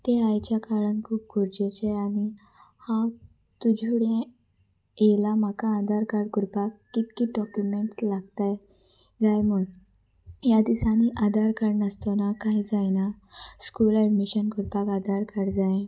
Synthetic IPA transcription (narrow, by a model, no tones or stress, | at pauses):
t̪eajt͡ɕjakaɭənkʰuːp̚ɡuɾd͡ʑet͡ɕeani | hã | t̪ud͡ʑʱuɽẽ | elamakaːd̪ʱaɾkaɽkuɾpakːit̪kiːɖɔkjumeɳʈslaɡ̚t̪aj | ɡajm̤uɳ | jad̪isaniʔad̪ʱaɾkəɽnəst̪onakajd͡zajna | skuːləɖmiɕənkuɾpakad̪ʱaɾkəɾd͡zae